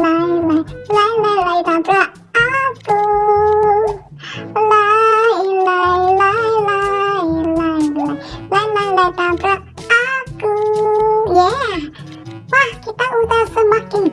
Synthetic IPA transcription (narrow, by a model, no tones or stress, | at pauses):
lailalailailait̪at̪ɾaʔ | atu | lailailailailailalailailait̪at̪ɾa | at̪u | ja | lahkit̪aut̪asəmakin